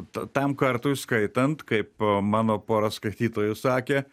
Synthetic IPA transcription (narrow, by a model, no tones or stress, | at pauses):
t̪ɐt̪ɐmkɐɾt̪ʊːskɐɪt̪ɐnt̪kɐɪpmɑːnoːpoːɾɐskɐɪt̪ʲiːt̪oːjʊsɑːkʲeː